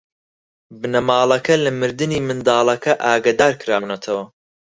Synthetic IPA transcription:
bɨnɐmaːlˠɐkɐlɐmɨɾd̪ɨniːmɨnd̪ɑːlˠɐkʰɐʔaːɡɐd̪aːɾkɨɾaːwnɐt̪ʰɐwɐ

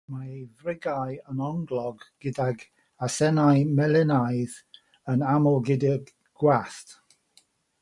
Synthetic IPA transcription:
maejvrɪɡajənɔŋɡlˠɔɡɡ̥ɪdaɡ | asɛnajmɛlɛnajð | ənamɔlˠɡɪdɪɡ | ɡ̥waθt

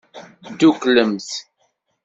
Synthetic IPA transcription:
d̪ukləmθ

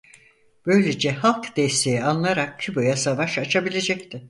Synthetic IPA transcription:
b̥ø̞jlʲed͡ʒɛhalˠkd̪̥ɛst̪ʰe̞jianlˠaɾak̚cʰybojasavaʃat͡ʃʰabilʲe̞d͡ʒɛct̪ʰɪ

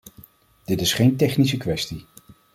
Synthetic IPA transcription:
d̥ɪtɪsχejntɛχnis̬əkʋɛsti

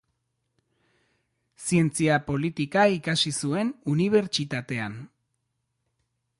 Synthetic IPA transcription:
sie̞nt͡siapo̞lit̪ikaikasisue̞nuniβ̞e̞ɾt͡ʃit̪at̪e̞an

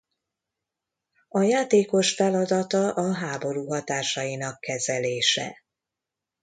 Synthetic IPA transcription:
ɒjaːt̪eːko̞ʃfɛlɒd̪ɒt̪ɒʔɒɦaːbo̞ɾuːɦɒt̪aːʃɒjinɒkːɛzɛleːʃɛ̰

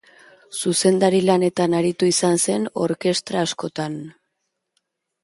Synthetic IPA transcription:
suse̞nd̪aɾilane̞t̪anaɾit̪uisanse̞no̞ɾke̞st̪ɾaːsko̞t̪an

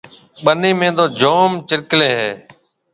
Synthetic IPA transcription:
ɓəniːmẽːd̪oːd͡ʒoːmt͡ʃɪɾkleːɦeː

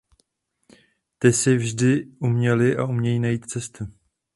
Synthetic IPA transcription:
t̪ɪsɪvʒdɪʔumɲɛlɪʔa̰ʔumɲɛjiːnajiːt̪t͡sɛst̪u

